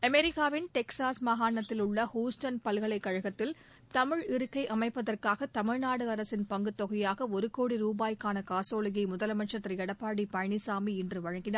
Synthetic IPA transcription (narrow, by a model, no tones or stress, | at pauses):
ɐmɛɾɪkːaːʋɪnʈɛksaːsmɐɣaːnɐt̪ːɪlʊɭːɐhuːsʈɐnpɐlɣɐɭɐɪkːɐɻɐɣɐt̪ːɪl | t̪ɐmɪɻɪɾɯkːɐɪʔɐmɐɪpːɐðɐrkaːɣɐt̪ɐmɪɻnaːɽɯɐɾɐsɪnpɐŋɡɯt̪ːɔɣɐjaːɣɐɔɾɯkoːɽiɾuːbaːjkaːnɐkaːsoːlɐɣɐɪmʊðɐlɐmɐʈt͡ʃːɐt̪ːrɐɛɽɐpːaːɽipɐɐɳɪsaːmiɛndrɯʋɐɻɐŋɡɪnaːɾ